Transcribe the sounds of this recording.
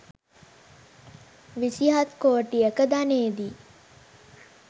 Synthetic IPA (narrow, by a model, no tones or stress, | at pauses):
ʋisiɦat̪koːʈijəkəd̪aneːd̪i